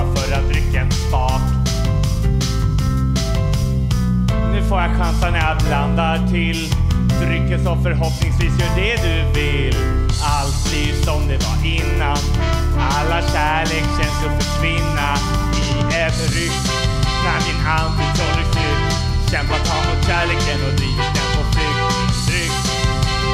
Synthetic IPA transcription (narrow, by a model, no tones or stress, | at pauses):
fœɾat̪̚d̪ɾʏkːaɛnsfɑːt | nʉ̟ːfoːɾjaɧansanæabbland̪aʈʰɪldɾʏkːənsɔmfœɾɦɔpnɪŋsviːsjœːɖɛd̪ɵ | vɪllː | alt̪ | isɔmd̪ɛva̰ɾʔɪnːan | alːaɕæːɭeːkənsɔmfɪkʰvɪnːa | ɪ | ɛvɾʏkː | nanmɪnɦand̪fʰɔɾɪflʉ | ɕɛmpat̪ʰɑːlmʊt̪ɕæːɭeːkənɔɾiːkad̪ɛpʰɔflʉɡ̪ | t̪ɾʏkt̪